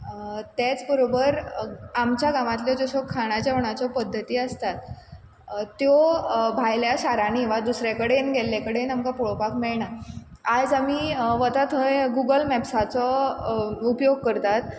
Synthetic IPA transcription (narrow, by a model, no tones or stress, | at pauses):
t̪jat͡sbəɾobəɾamt͡ɕjaɡamat̪led͡zɔsɔkʰːaɽ̃at͡ɕjaʋɳ̃at͡ɕɔpəd̪ʱːət̪iːəst̪at̪ | t̪ːjobʱajljaɕaɾañiʋad̪usɾjakəɽenɡelːakəɽenamkapoɭopakmeɭɳa | ad͡zamiːʋət̪at̪əjɡuɡəlmɛbsat͡sɔ | upjoɡ̚kəɾt̪at̪